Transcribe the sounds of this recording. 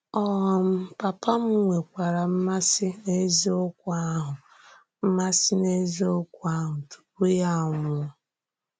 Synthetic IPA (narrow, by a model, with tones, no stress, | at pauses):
ɔ˦ɦm̩˦pa˨pa˦m̩˦ŋʷe˨kʷa˨ɾa˨m̩˦ma˦sɪ˦ne˦zi˦ʊ˦kʷa˦ɦʊ˨ | m̩˦ma˦sɪ˦ne˦zi˦o˦kʷa˦ɦʊ˨tu̥˨p̚u˦ja˦˨ŋ˨˦ɔ˦